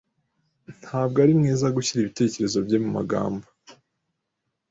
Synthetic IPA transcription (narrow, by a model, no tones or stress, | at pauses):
n̥haːb̚ɡaɾimŋeːzaɡuçiɾiβite̞ːce̞ɾe̞zo̞bɟe̞muma̰ɡa̰ːmba